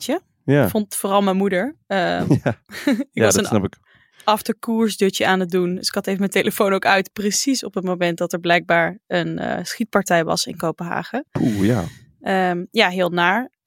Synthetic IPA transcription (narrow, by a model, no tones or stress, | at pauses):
t͡ʃə | jafɔntfoːrɑlˠmɛjmudəɹə | ɪkɑsənnnɑpɪk | ʔɑftəɹkuːɹzdøt͡ʃəaːnət̚dundəsɪ̥kɑtejvəmətejləfownowkœɥtprəsisɔpətmomɛnt̚dɑtɛɹblɛjɡ̚baːɹənə̰sχit̚pɑɹtɛjʋɑ̰sɪ̰nkowpənɦa̰ːχəpuja | əmjaːɦɪːlˠnaːɹ